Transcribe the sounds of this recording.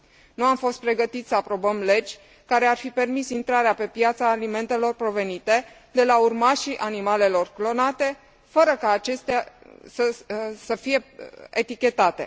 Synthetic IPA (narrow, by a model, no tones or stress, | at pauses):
nuamfo̞st̪̚pɾe̞ɡət̪it̪ssəapɾo̞bəmle̞d͡ʒʲ | kaɾe̞arfipe̞rmisint̪ɾaɾeape̞pjat̪saːlime̞nt̪e̞lo̞rpɾo̞ve̞nit̪e̞ | d̪e̞laurmaʃiʔanimale̞lo̞rklo̞nat̪e̞ | fəɾəkaːt͡ʃe̞st̪ea | səsəfije̞et̪ikʲe̞t̪at̪e̞̰